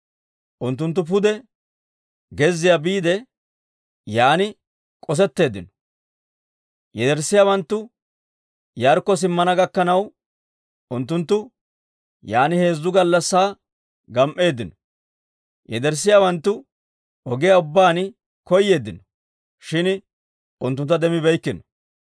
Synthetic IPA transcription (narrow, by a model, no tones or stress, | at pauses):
ʔʊnt̪ːʊnt̪̬ːʊp̬ʊd̪ɛ | ɡɛzːɪjabiːd̪ɛ | jaːnɪ | kʼɔs̬ɛt̪ːe̞ːd̪ɪnɔ̥ | jɛd̪ɛɾsːɪjaːwɐnt̪ːʊ | jaɾkːɔs̬ɪmːɐnɐɡɐkːɐnɐw | ʊnt̪ːʊnt̪ːʊ | jaːnɪhe̞ːzːʊɡɐlːɐsːaː | ɡɐmʔe̞ːd̪ɪnɔ̥ | jɛd̪ɛɾsːɪjaːwɐnt̪ːʊ | ɔɡɪjaʊbːaːn | kɔjːe̞ːd̪ːɪnɔ̥ | ʃɪn | ʊnt̪ːʊnt̪ːɐd̪ɛmɪbɛjkːɪnɔ̥